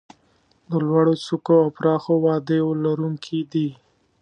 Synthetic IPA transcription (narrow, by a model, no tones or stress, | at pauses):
d̪əlwaɽot͡sukoawpɾɑxowɑd̪ewlaɾuŋkʰid̪i